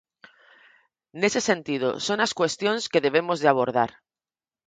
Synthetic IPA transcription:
ne̞sesẽ̞nt̪ið̞o̰so̞naskwe̞st̪jo̞nske̞ðe̞β̞e̞mo̞zðeaβ̞o̞ɾð̞a̰ɾ

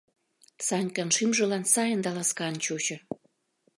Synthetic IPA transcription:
sɑnʲkɑnʃimʒɤ̆lɑnsɑjə̆nd̪ɑlɑskɑnt͡ɕot͡ɕɤ̆

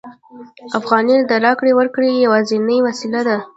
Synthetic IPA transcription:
afɣɑnid̪əɾɑkɽewəɾkɽejawɑzenəjwasilad̪a

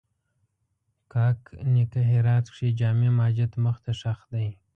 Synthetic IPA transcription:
kʰɑknikaɦeɾɑːt̪kʂid͡ʒɑːmemɑːd͡ʒɪt̪məxt̪aʂaxd̪aj

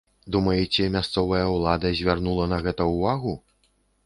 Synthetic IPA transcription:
d̪umɐjɛt͡sʲɛmʲast̪sɔvɐjɐulˠad̪ɐzʲvʲarnulˠɐnɐɣɛt̪ɐuvaɣu

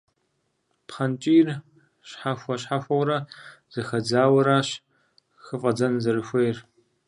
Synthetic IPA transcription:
pχɐnt͡ʃʼiːr | ɕħaxʷɐɕħaxʷɐwɾɐz̥ɐxɐd͡zaːwɐɾaːɕ | xɨfʼɐd͡zɐnzɐɾɨxʷejr

